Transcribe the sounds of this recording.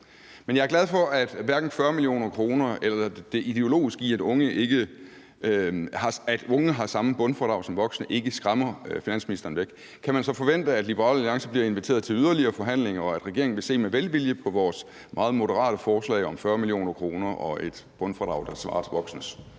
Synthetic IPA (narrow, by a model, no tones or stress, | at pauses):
menjɑ̈æɐɡ̥læð̞ˠfɒ̽ʔæd̥ʋæɐɡ̥n̩fɶɐmiljo̝̰ːnɐkʰʁo̝ːnɐelɐɐd̥e̝ʔid̥e̝o̝lo̝̰ːisɡ̥ḭæd̥ɔ̽ŋəʔe̝ɡ̥ə | hɑ̈æd̥ɔ̽ŋəɦɑ̈sɑ̈məb̥ɔ̽nfɒd̥ɑ̈ʊ̰sɒ̽mʋɒ̽ɡ̥snəʔe̝ɡ̥əsɡ̥ʁamɐfinæn̰sminisd̥ɐːn̩ʋeɡ̥ | kʰːæmænsɒ̽fɒ̽ʋen̰d̥əæd̥lib̥əʁɑ̰ːlæliɑ̈ŋsɐb̥liɐe̝nʋit͡sʰe̝ːɐðˠt͡sʰe̝lyð̞ˠɐliɐːfɒ̽ɦæn̰le̝ŋɐɒ̽æd̥ʁɛɡ̥e̝ɐeŋn̩ʋe̝se̝̰ːmeʋelʋiljəpʰɒ̽ʋɒːs | mʔɑ̈ːð̩ˠmo̝ɾəʁɑ̰̈ːɾ̥əfɒːslɛ̰ɪɒ̽mfɶɐmilijo̝̰ːnɐkʰʁo̝ːnɐʔɒ̽ʔe̝d̥b̥ɔ̽nfʁɑd̥ʁɑ̈ʊd̥ɑ̈sʋɑ̰̈ːt͡sʰeʋɒ̽ɡ̥snəs